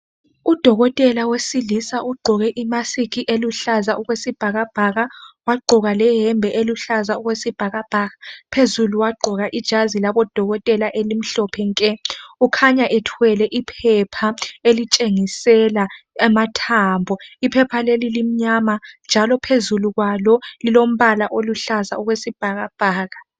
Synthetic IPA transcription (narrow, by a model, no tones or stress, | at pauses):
ud̥ʱɔɣɔtʼɛlawesilisaʔuɡ͡ǃʱɔɣɛʔimasikiʔeluɬazaʔuɣwesib̥ʱaɣab̥ʱaɣawaɡ͡ǃʱɔɣalɛɦɛmbʱɛʔeluɬazauɣwesib̥ʱaɣab̥ʱaɣapʰezuluwaɡ͡ǃʱɔɣaʔid̥ʒ̥ʱazilaβɔd̥ʱɔɣɔtʼɛlaʔelim̩ɬɔpʰɛŋkʼɛukʰaɲaʔɛtʰwɛlɛʔipʰɛpʰaelit͡ʃʼeŋisɛlaɛmatʰaːmbʱɔipʰɛpʰalelilim̩ɲamand͡ʒʱalɔpʰezuluɣwalɔlilom̩βalaʔoluɬaza̰uɣwesib̥ʱaɣab̥ʱaːɣa